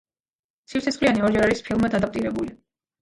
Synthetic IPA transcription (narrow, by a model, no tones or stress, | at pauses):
sʰift̪sʰɛsχʼlianiɔɾd͡ʒɛɾaɾispʰilˠmad̪ad̪apʼt̪ʼiɾɛbuli